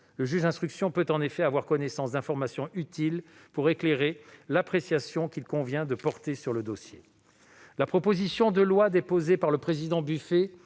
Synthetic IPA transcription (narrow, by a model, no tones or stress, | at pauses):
ləʒyʒd̪ɛ̃st̪χyksjɔ̃pøt̪ɑ̃nefɛavwaʁkɔnesɑ̃sd̪ɛ̃fɔʁmasjɔ̃ʔyt̪ilpuʁekleʁelapχesjasjɔ̃kʲilkɔ̃vjɛ̃d̪əpɔʁt̪esyʁləd̪osje | lapχɔpozisjɔ̃d̪əlwad̪epozepaʁləpχezid̪ɑ̃byfe